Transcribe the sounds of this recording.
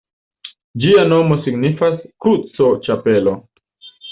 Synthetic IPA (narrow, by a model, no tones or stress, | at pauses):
d͡ʒiano̞mo̞siɡnifaskut͡so̞t͡ʃapelo